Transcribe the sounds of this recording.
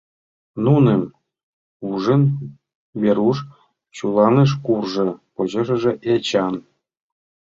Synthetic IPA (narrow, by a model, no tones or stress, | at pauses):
nunem | uʐə̆n | βʲeɾuʂ | t͡ɕulˠɑneʃ̬kurʐɤ̆poʑɤ̆ʐɤ̆ʐĕʔet͡ɕɑn